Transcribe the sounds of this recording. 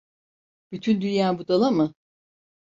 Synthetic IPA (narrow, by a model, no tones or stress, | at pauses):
b̥yt̪ʰynd̪ynjaːbud̪alˠamɯ